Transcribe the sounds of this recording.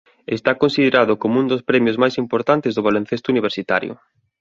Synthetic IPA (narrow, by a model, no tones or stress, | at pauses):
est̪akonsið̞eɾaðʊkomund̪ospɾɛmjozmajsimpoɾt̪ant̪ezðʊβalẽn̟θest̪ʊuniβ̞eɾsit̪a̰ɾjʊ̰